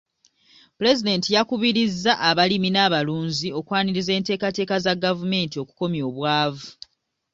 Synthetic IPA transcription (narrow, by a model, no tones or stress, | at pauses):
pɾe̞zide̞ːntijakuβiɾizːaʔaβaliminaːβaluːnzio̞kwaːniɾize̞ːnte̞ːkate̞ːkazaɡavume̞ntio̞ku̥ko̞mjo̞ːβwaːvu